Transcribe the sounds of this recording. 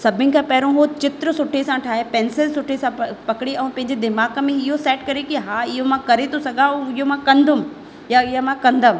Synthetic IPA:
sɐbʱɪnɪ̆kʰãpɛɦɾõɦot͡ɕɪt̪ɾəsʊʈʰesãʈʰaːɦepɛ̃ːnsɪlsʊʈʰesãpɐkɪɽeɛ̃ːpɐ̃ɦɪ̃ɲ̆d͡ʑed̪ɪmaːkə̆mẽɪɦosɛːʈkɐɾekiɦaːɪɦomãkɐɾet̪ʰosɐɡʱauɪɦomãkɐ̃nd̪ʱʊm | jaɪɦəmãkɐ̃nd̪əʋ

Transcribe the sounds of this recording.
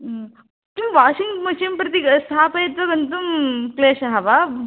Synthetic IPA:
t̪uʋaːʃiŋɡmɐʃimpɾɐt̪ist̪ʰaːpɐjɐt̪ʋɐɡɐnt̪umkleːʃɐɦɐʋa

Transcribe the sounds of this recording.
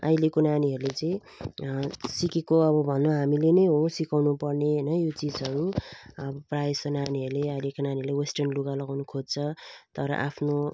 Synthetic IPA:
a̰jlekonaniɦʌɾulet͡sʌĩ | sikekoʌbʌbʱʌnːoɦamilenʌjɦosikawnupʌrneɦnʌjot͡sid͡zʌɾuʌbʌprajsonaniɦʌɾuleʌilekonaniɦʌɾulewesʈʌnluɡalʌɡawnukʰod͡zt͡sʰʌt̪ʌɾʌ̰ʔa̰pʰno

